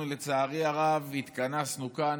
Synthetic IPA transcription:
ulet͡saːʁiaʁavːit̪kanasnuka

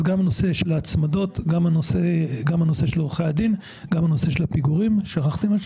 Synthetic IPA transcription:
ɡamano̞se̞ʃelaːt͡smad̪o̞t̪ɡamanoseɡamhano̞se̞ʃeloʁχejad̪in | ɡamano̞se̞ʃelhapiɡuʁimʃaχaχt̪ima

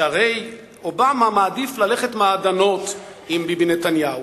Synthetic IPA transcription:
aʁej | o̞bamamaːdiflaleχe̞tmaːd̪ano̞t | imbibnetanjau

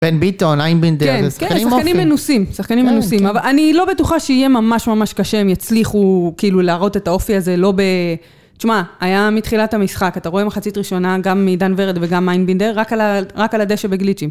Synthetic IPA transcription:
b̥enbit̪onajnbindknskeisakanimenusimsaχkanimenusimavaanilo̞be̞tuχaʃeije̞mamaʃmamaʃkaʃe̞mjat͡sliχukiiluleːʁo̞t̪e̞tao̞fiaze̞lo̞be̞ | t͡ʃmaːjamit̪χilatamisχakat̪aʁo̞e̞maχat͡sitʁiʃo̞naɡamːid̪anveʁed̪veɡamajnbind̪eʁːakalaʁakalad̪eʃebeɡlit͡ʃim

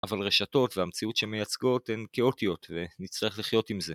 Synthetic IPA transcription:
ʔavalʁe̞ʃato̞tveamt͡siutʃemejat͡sɡo̞tenkeo̞tio̞tve̞nit͡slaeχliχjo̞timze̞

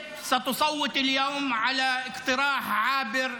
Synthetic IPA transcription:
sɑt̪ʊsˤɑwːɪt̪ˤɪljoːmʕalaʔɪqt̪ɪɾaːħʕaːbɪɾ

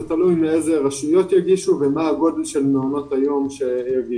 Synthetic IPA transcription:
t̪alujmeezeʁaʃujot̪jaɡiʃuvemaːɡo̞delʃe̞lmeono̞t̪ajo̞mʃe̞jaɡi

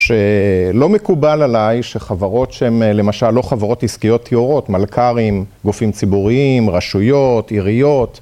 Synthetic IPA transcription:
ʃe̞lo̞mekubalalajʃe̞χavaʁo̞tʃeemle̞maʃalːo̞χavaʁo̞tiskijo̞t̪ʰːioʁo̞tmalkʰaʁimɡufimt͡sibuʁiimʁaʃujo̞tiʁijo̞t̪

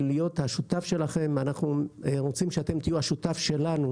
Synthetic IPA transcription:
lijo̞t̪haʃut̪afʃe̞laχe̞manaχnuʁot͡simʃeat̪e̞mt̪ijuhaʃutafʃe̞lanu

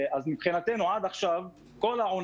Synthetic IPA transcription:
azmibχinat̪e̞nuʕad̪aχʃav | ko̞laʕon

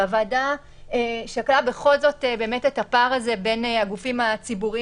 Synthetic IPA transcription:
avada | eʃaklabe̞χo̞lzo̞tebeːmetetapaʁaze̞be̞naɡufimat͡sibuʁi

